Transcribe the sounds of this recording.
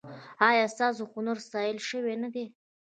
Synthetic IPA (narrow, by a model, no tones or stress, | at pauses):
ɑjɑst̪ɑsoxʊnaɾst̪ɑjəlʃəwenad̪e